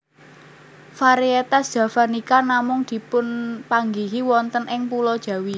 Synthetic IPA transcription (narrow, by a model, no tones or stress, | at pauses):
faɾiet̪asdʒ̥ä̤fanikanamʊŋd̪̥i̤pʊnpaŋɡiɦiwɔnt̪ənɪŋpulɔd̥ʒ̥ä̤wi